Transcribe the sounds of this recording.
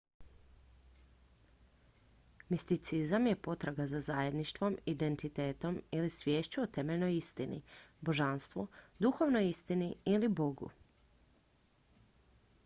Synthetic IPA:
mist̪it̪sizamjepo̞t̪ɾaɡazazaje̞d̪niʃt̪ʋo̞mid̪e̞nt̪it̪eːt̪o̞milisʋʲjeːʃt͡ɕuot̪e̞meʎʲnojist̪inḭbo̞ʒanst̪ʋod̪uxo̞ʋnojist̪iniilibo̞ɡṵ

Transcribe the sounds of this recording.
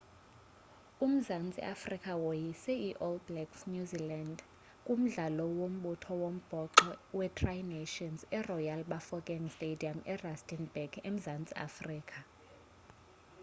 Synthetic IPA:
um̩zant͡sʼḭʔa̰frikʼawojisiiʔolblɛksnjuziland | kʼum̩ɮalɔwom̩ɓutʰɔwom̩b̥ʱɔǃɔwɛtʰrajneʃɔnzɛrɔjalɓafɔkʼɛŋstʼedʱiamɛrastʼinbɛɡem̩zant͡sʼia̰friːkʼʰa

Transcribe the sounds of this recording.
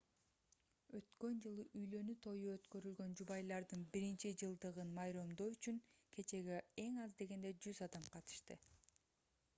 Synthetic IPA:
ø̞t̪kø̞nd͡ʒɯlˠɯʔyjlø̞nyt̪ʰo̞juø̞t̪kø̞ɾylɡø̞nd͡ʒuβɑjlˠɑɾd̪ɯnbiɾint͡ʃid͡ʒɯlˠd̪ɯʁɯnmɑjɾomd̪o̞yt͡ʃyŋkʰe̞t͡ʃe̞ɡee̞ŋɑzd̪e̞ɡe̞nd̪e̞d͡ʒyzɑd̪ɑmqʰɑt̪ɯ̥ʃt̪ɯ

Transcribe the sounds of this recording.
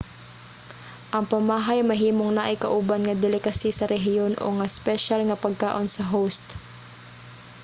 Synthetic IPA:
ʔɐŋpɐmaːɦɐjmɐɦiːmoŋnaʔɪkɐ̰ʔubanŋɐd̪ɪlɪkɐsisɐɾɛɦɪjonʔo̰ŋɐspɛʃalŋɐpɐɡ̚kaːʔo̞nsɐɦowst̪

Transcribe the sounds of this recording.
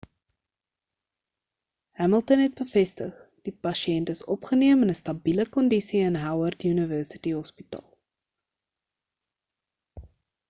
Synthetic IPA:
hæməlˠtənɦɛt̚bəfɛstəχ | d̥ipɐʃiɛntəsɔpχəniəmənəstɐbiləkɔndisiənɦɐwərtjʉnəvəːsə̥tiɦɔspitɑ̰ːlˠ

